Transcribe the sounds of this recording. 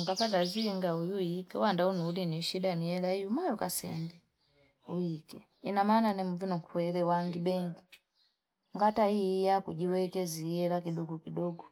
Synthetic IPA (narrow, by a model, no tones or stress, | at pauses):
ŋɡapat̬aziŋɡaujuikɛ̰wandaunuːliniʃidanijɛlaijumajukasɛ̰mbɛ | ujikɛ | inamananɛmuvinɔŋkuwɛlɛwaŋɡibɛŋɡi | ŋɡataijakud͡ʒiwɛkɛzijɛlakiɗɔɡɔkiɗɔɡɔ